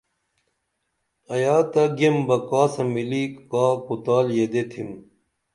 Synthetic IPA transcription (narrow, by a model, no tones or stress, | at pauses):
ɐjaːt̪ɐɡembɐkaːsɐmilikkaːkut̪aːljed̪et̪ʰim